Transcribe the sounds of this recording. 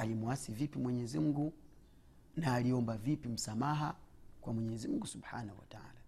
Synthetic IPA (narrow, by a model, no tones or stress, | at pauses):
alimuwasivipimwɛɲɛzim̩ɡu | naːliɔmbavipim̩samaɦakwamwɛɲɛzim̩ŋɡusubha̰nahuwa̰taa̰la